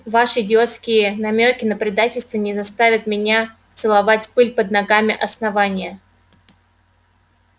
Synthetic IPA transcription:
vaʂɨdʲɪo̞t̪skʲɪjənɐmʲokʲɪnəpɾʲɪd̪atʲɪlʲst̪vənʲɪzɐst̪avʲət̪mʲɪnʲa | t̪sɨlˠɐvatʲpɨlʲpəd̪nɐɡamʲɪʔɐsnɐvanʲɪjə

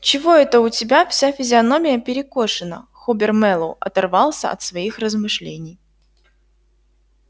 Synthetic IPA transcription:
t͡ɕɪvo̞ɛt̪əʊtʲɪbʲafsʲafʲɪzʲɪɐno̞mʲɪjəpʲɪɾʲɪko̞ʂɨnə̰xobʲɪrmɛlˠʊ̰ɐ̰t̪ɐrvɑlˠsʲə̰ɐ̰t̪svɐixrəzmɨʂlʲenʲɪj

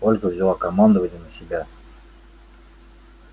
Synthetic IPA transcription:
olʲkəvzʲɪlˠakɐmand̪əvənʲənəsʲɪbʲa

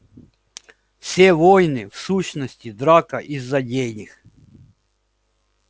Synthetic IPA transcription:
sʲɛʋɔjnɪwsuɕnɔsʲtʲid̪ɾɑkɐʔizːɐdʲejnʲɪx

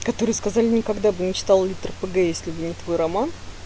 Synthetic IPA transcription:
kɐt̪o̞ɾɨjəskɐzalʲɪnʲɪkɐɡd̪abɨnʲɪt͡ɕɪ̥t̪alˠlʲɪt̪rəpɨɡɛjesʲlʲɪbɨnʲɪt̪vo̞jrɐman

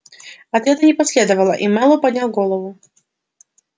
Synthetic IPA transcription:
ɐt̪ɾʲad̪ənʲɪpɐsʲlʲed̪əvəlˠə̰ʔimalˠɔpɐd̪ʲnʲalˠɡolˠəvʊ

